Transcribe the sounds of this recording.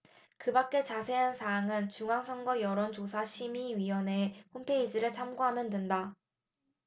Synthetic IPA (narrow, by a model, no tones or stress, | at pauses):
kɯbak͈̚e̞t͡ɕasʰe̞ansʰaːŋɯnt͡ɕuŋaŋsʰʌŋɡwʌjʌɾont͡ɕosʰaɕʰimiɥiʌne̞ɸompʰe̞id͡ʑiɾɯɭt͡ɕʰamɡoɦamjʌndenda